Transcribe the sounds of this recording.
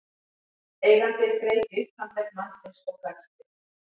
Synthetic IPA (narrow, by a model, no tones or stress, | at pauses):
ejɣant̪ɪɾkɾejt̪ʏht̪ant̪ɛknansɛskɔkast̪ɪ